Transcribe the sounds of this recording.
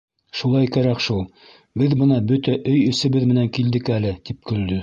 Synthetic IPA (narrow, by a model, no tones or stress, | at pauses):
ʃulˠɑjkæɾækʃulˠ | bɘðbɤ̆nɑbɵt̪æʔɵjɵ̆sɘ̆βɘðmɘ̆næŋkild̪ɘkælɘt̪ip̚kɵ̆ld̪ɵ